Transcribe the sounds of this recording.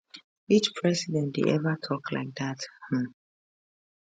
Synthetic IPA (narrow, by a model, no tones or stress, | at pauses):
it͡ʃpʰɹɛsidɛ̃ntdḛʔɛvətʰɔkla̰ɪk̚ðath̩